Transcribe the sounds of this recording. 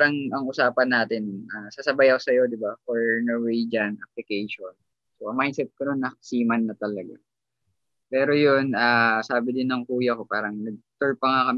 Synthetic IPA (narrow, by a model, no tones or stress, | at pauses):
ɾɐŋɐŋʔʊsaːpɐnːaːt̪ɪnaːsasɐbajɐkosɐjo̞d̪ɪbafoɹnoɹwed͡ʒɐnʔap̚lɪkɛjʃon | soɐmajd̪sɛt̪̚kɐnonːɐsiːmɐnːɐt̪ɐlɐɡa̰ | pɛːɾo̞jonaːsaːbɪd̪ɪnːɐŋkuːjɐko̞paːɾɐŋnɐɡ̚t̪oɹpɐŋakɐm